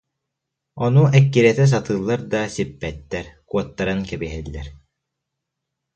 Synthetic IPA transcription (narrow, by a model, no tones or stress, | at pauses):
ɔnuɛkːiɾiɛt̪ɛs̬at̪ɯːlˠːaɾd̪asipːɛt̪ːɛɾkuɔt̪ːaɾɯnkɛbiɦɛlʲːɛ̰ɾ